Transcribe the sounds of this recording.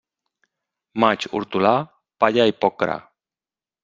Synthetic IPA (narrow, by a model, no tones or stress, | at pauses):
mat͡ʃṵɾt̪ula | paʎaipokɾa̰